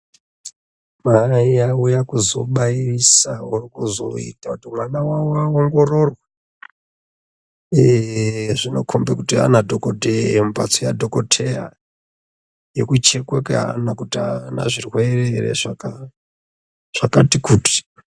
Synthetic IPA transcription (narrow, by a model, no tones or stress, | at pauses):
maijaujakuzo̞̰ɓairisaurikuzo̞̰ḭtakutimwanawawoaoŋɡo̞rorwa | eʐino̞kʰombekutia̰nadʱokoteemba̰t͡sojadʱo̞ko̞tʰe̞ra̰ | je̞kut͡ʃe̞kwekea̰ːnakutiana̰ʐirwe̞rerḛʐaka | ʐ̥akatikuːti̥